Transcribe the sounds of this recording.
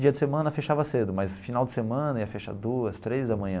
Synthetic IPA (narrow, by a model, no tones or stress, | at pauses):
d͡ʒiɐd͡ʒɪsemɐ̃nɐfeʃavɐsed̪ʊmɐjsfinawd͡ʒɪ̥semɐ̃nɐiɐfɛʃɐ̰d̪uɐst̪ɾejzd̪ɐmɐ̃ɲ̃ɐ̃